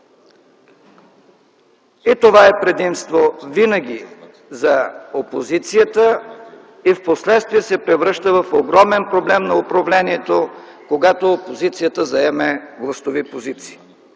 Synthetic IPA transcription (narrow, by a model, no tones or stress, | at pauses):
it̪ovaɛpɾɛd̪imst̪vovinəɡ̟ʲi | zɐopozit̪sijət̪ə | ifposlɛt̪st̪viɛsɛpɾɛvɾɤʃt̪əvɐfoɡɾɔmɛnpɾoblɛmnɐopɾɐvlɛniɛt̪okoɡat̪oːpozit̪sijət̪əzɐɛmɛɡlˠəst̪ovipozit̪si̥ː